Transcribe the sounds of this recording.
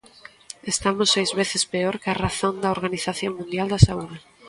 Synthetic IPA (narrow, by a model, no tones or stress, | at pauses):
est̪amosːejzβeθespeoɾkearaθõnd̪ɐoɾɣaniθaθjoŋmũnd̪jald̪asauðe